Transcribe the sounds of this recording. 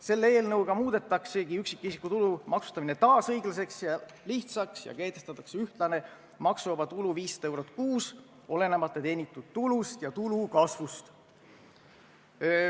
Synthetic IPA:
se̞lːee̞ːlnɤwɡ̥ɑmuːd̪e̞t̪ːˑɑkse̞ɡiyksikːˑisikːˑut̪ulumɑksu̥st̪ɑminet̪ɑːsɤjɡ̥lɑs̬e̞ksjɑliht̪sɑksjɑ̰ke̞ːt̪ːˑe̞st̪ɑt̪ːˑɑkseyht̪lɑne̞ | mɑksuɑbɑt̪uluviːst̪e̞wɾot̪ːˑkuːs | o̞le̞nemɑt̪ːˑet̪e̞ːnʲit̪ːˑud̪̥̚t̪ulust̪jɑt̪ulukɑsvust̪

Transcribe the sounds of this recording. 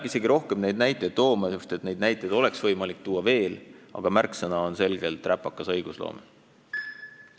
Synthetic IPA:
æbise̞ɡiɾo̞hkemne̞jd̪̥̚næjt̪ːˑe̞jd̪t̪o̞ːmɑjust̪et̪ne̞jd̪̥næjt̪ːˑejd̪o̞le̞ksvɤjmɑlik̚t̪uːɑve̞ːlɑ̰ɡ̥ɑmærksenɑonse̞lɡ̥e̞lt̪ːˑræpːɑkːˑɑsɤ̞jɡ̥uslo̰ːme

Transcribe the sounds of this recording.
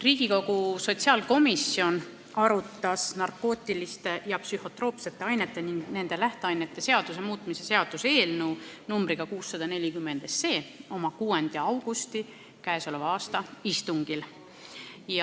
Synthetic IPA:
riːɡ̥iko̞ɡ̥uso̞t̪siɑːlko̞misːio̞n | ɑɾut̪ˑːɑsnɑrkːo̞ːt̪ːˑilist̪e̞jɑpsyho̞t̪ɾro̞ːpse̞t̪ːˑe̞ɑjnet̪ːˑe̞niŋɡ̥ne̞nd̪̥e̞læht̪eɑjne̞t̪ːˑe̞se̞ɑd̪̥us̬e̞muːt̪ːˑmise̞se̞ɑd̪̥use̞ːlnuːnumbɾiɡ̥ɑkuːsːɑd̪̥ɑne̞lʲikymːe̞nd̪̥ese̞ːo̞mɑkuːend̪̥jɑɑwɡ̥ust̪i | kæe̞so̞levɑːst̪ɑist̪uŋɡ̥il | j

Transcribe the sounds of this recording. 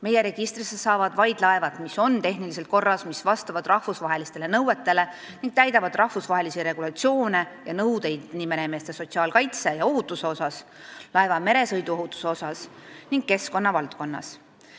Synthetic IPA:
me̞je̞ɾe̞ɡ̥ist̪risetsɑːvɑd̪̥vɑjd̪̥lɑevɑd̪̥miso̞nt̪e̞ɦnilis̬elt̪̚ko̞rːɑsmisvɑst̪ɑvɑd̪̥rɑhfusvɑɦe̞list̪e̞le̞nɤwe̞t̪ːˑe̞le̞ | niŋɡ̥̚t̪æjd̪ɑvɑd̪rɑhfusvɑɦe̞lisiɾe̞ɡ̥ulɑt̪sio̞ːne̞jɑnɤwd̪e̞jd̪nimeneme̞ːst̪eso̞t̪ʲsiɑːlkɑjt̪sejɑo̞ɦut̪ːˑuse̞o̞sɑslɑe̞vɑme̞ɾe̞sɤ̞jd̪uo̞ɦut̪ːˑu̥seo̞sɑsniŋɡ̥̚kːe̞sko̞nːɑvɑlt̪̚ko̞nːɑ̰s

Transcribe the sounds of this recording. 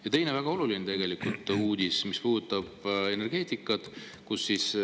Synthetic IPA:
jɑt̪e̞jnevæɡ̥ɑo̞lulinet̪e̞ɡ̥e̞likult̪ˑuːd̪ismispuːd̪ut̪ːˑɑb̥e̞ne̞rɡ̥e̞ːt̪ikːˑɑd̪̥ | kusːis

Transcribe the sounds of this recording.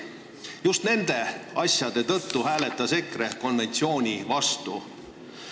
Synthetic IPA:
just̪ne̞nd̪̥e̞ɑsʲjɑd̪̥e̞t̪ɤ̞t̪ːuɦæːle̞t̪ːˑɑse̞kre̞ko̞nve̞nt̪sio̞ːnʲivɑst̪ṵ

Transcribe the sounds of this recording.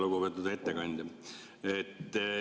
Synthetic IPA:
loɡobet̪ːud̪ɑet̪ːekɑnʲd̪ʲ | et̪ː

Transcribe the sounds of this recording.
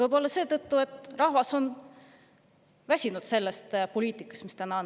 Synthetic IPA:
ɤjbo̞lːɑse̞ːt̪ɤt̪ˑːue̞t̪ːˑrɑhvɑso̞n | væsʲinud̪̥se̞lːest̪polʲiːt̪ˑikːˑɑ̥st̪mist̪ænɑ

